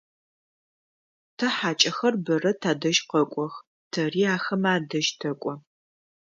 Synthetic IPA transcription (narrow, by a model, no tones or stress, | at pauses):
tʰɐħaːt͡ʃʼɐxɐrbɐrɐtʰaːdɐʒqɐkʷʼɔx | tʰɐriːaːxɐmaːdɐʒtʰɐkʷʼɔ